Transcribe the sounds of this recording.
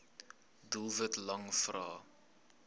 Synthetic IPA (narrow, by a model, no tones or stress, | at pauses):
dulˠvətlɐŋfrɑː